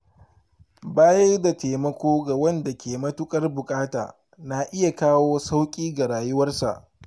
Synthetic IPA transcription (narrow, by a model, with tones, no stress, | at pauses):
baː˦jɐ˦rda˨teː˨mɐ˦kʷoː˦ɡa˨wɐ˦nda˨kʲeː˨mɐ˦tʊ˦kʼɐ˦rbʊ˨kʼaː˦ta̰ː˨ | na˨ʔɪ˦ja˨kaː˦woː˦sa˦wkʲʼiː˦ɡa˨ɾaː˨jʊ˦wɐ˦rsa̰˨ʔ